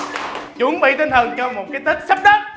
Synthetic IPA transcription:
t͡ɕwə˨˧˦əŋɓḭ˧˨t̪i˧nt̪ʰə˨˩ŋt͡ɕɔ˧mo˨˩t̚kaː˨˦jt̪ʰi˦˥k̟̚sa˦˥p̚ɗə˦˥t̚

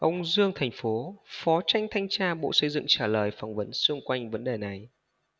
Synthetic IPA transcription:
ʔə˧wŋ͡mzɨ˧əŋt̪ʰa˨˩ŋ̟fo˨˦fɔ˨˦t͡ɕa˧jŋ̟t̪ʰa˧jŋ̟t͡ɕaː˧ɓo̰˧˨sə˧jzɨ̰˧˨ŋt͡ɕaː˧˩ləː˨˩jfa˨˩wŋ͡mvə˨˦nsɨ˧əŋkwa˧jŋ̟və˨˦nɗe˨˩na˨˩j

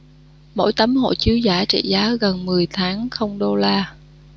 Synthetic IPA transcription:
mo̰˧˥jt̪ə˨˦mho̰˧˨t͡ɕi˨˦əwzaː˧˩t͡ɕḭ˧˨zaː˨˦ɣə˨˩nmɨ˨˩əjt̪ʰaː˨˦ŋxə˧wŋ͡mɗo˧laː˧

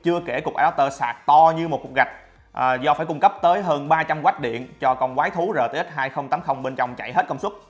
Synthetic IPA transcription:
t͡ɕɨ˧əke˧˩ku˨˩ək̚ʔaː˧˩˨t̪əː˧sa̰ː˧˩k̚t̪ɔ˧ɲɨ˧mo˨˩ku˨˩k̚ɣa˨˩jk̟̚ | ʔzɔː˧faː˧˩jkʊ˧ŋ͡mkə˦˥p̚t̪əː˨˦jɦəː˧nɓaː˧t͡ɕa˧mkwaː˦˥t̚ɗḭ˧˨ənt͡ɕɔ˧kɔ˧˩nkwaː˨˦jt̪ʰu˨˦zəː˨˩t̪ːhə˦˥t̚ɦaː˧jxə˧wŋ͡mt̪aː˨˦mxə˧wŋ͡mɓe˧nt͡ɕɔ˧wŋ͡mt͡ɕa̰˧˨jɦe˦˥t̚kə˧wŋ͡mswu˦˥t̚

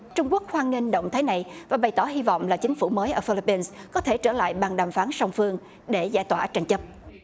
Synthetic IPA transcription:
t͡ɕʊ˧ŋ͡mku˦˥ək̚hwaː˧ŋŋi˧ŋɗə̰˧˨wŋ͡mt̪ʰaː˨˦jna˨˩jvaː˨˩ɓa˨˩jt̪ɔ˧˩ɦi˧vɔ̰˧˨wŋ͡mlaː˨˩t͡ɕï˨˦ŋ̟fṵ˧˩məː˨˦jʔəː˧˩fi˧li˧˥pːi˧nskɔ˨˦t̪ʰe˧˩t͡ɕəː˧˩la̰ː˧˨jɓaː˨˩ŋɗaː˨˩mfaː˨˦nsa˧wŋ͡mfɨ˧əŋ | ɗe˧˩zaː˧˩jt̪waː˧˩t͡ɕa˧jŋ̟t͡ɕə˦˥p̚

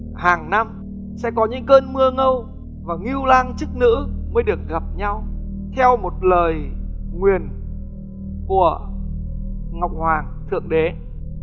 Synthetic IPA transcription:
haː˨˩ŋna˧m | sɛ̰˧˥kɔ˨˦ɲɨ̰˧˥ŋkəː˧nmɨ˧əŋə˧w | vaː˨˩ŋi˧wlaː˧ŋt͡ɕɨ˦˥k̚nɨ̰˧˥məː˨˦jɗɨ˨˩ək̚ɣa˨˩p̚ɲa˧w | t̪ʰɛ˧wmo˨˩t̚ləː˨˩jŋwi˨˩ən | ku˧˩ə | ŋa˨˩˨wk͡p̚hwaː˨˩ŋt̪ʰɨ̰˧˩əŋɗe˨˦

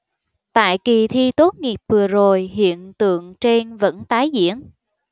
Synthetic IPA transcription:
t̪a̰ː˧˨jki˨˩t̪ʰi˧t̪o˨˦˥t̚ŋi˨˩əp̚vɨ˨˩əzo˨˩jɦḭ˧˨ənt̪ɨ̰˧˨əŋt͡ɕe˧nvə̰˧˥nt̪aː˨˦jzḭ˧˥ən

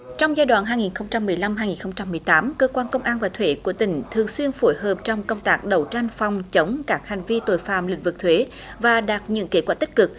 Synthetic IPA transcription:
t͡ɕɔ˧wŋ͡mzaː˧jɗwa̰ː˧˨nɦaː˧jŋi˨˩nxə˧wŋ͡mt͡ɕa˧mːɨ˨˩əjla˧mɦaː˧jŋi˨˩nxə˧wŋ͡mt͡ɕa˧mːɨ˨˩əjt̪aː˨˦mkəː˧kwaː˧nkə˧wŋ͡mʔaː˧nvaː˨˩t̪ʰwe˧˦ku˧˩ət̪ï˧˩ŋ̟t̪ʰɨ˨˩əŋswi˧ənfu˧˩jɦəː˨˩p̚t͡ɕɔ˧wŋ͡mkə˧wŋ͡mt̪aː˦˥k̚ɗə˨˩wt͡ɕa˧jŋ̟fɑ˨˩wŋ͡mt͡ɕə˨˦wŋ͡mkaː˦˥k̚ha˨˩jŋ̟vi˧t̪o˧˩jfa̰ː˧˨mlï˧˩ŋ̟vɨ˨˩k̚t̪ʰwe˨˦ | vaː˨˩ɗaː˨˩t̚ɲɨ̰˧˥ənke˧˦˩t̚kwaː˧˩t̪ï˥k̟̚kɨ˨˩k̚

